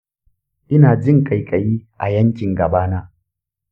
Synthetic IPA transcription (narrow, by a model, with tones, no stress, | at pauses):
ʔɪ˦naː˨d͡ʒɪ˦˨ŋkʼa˨jkʼɐ˨jiː˦ʔa̰˨jɐ˦ŋkʲɪ˨ŋɡɐ˨baː˦naː˦